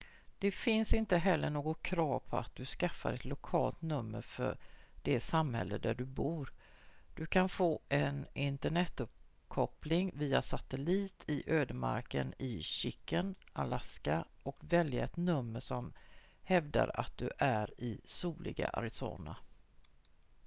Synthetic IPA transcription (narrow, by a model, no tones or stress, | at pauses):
d̪̥ɛfɪnsɪnt̪əɦɛlːəɳoːɡɔkʰɾɑːvpʰɔa̰t̪̚d̪̥ɵskafːaɾɛt̪lʊkʰɑːlt̪nɵmːəɾfœ̰ɖ̥ɛsamhɛlːəd̪æɖɵbuːɾ | d̪̥ɵkʰanfoːʔɛnɪnt̪əɳɛt̪ːɵp̚ | kʰɔplɪŋviːasat̪əliːt̪ʰɪʔøːd̪əma̰ɾkə̰nɪɕʏkːənalaska | ɔkvɛljaɛt̪nɵmːəʂɔm | hɛvd̪a̰ɾa̰t̪̚d̪ɵʔæɾɪsuːlʔɪɡa̰ʔa̰ɾɪso̰ːna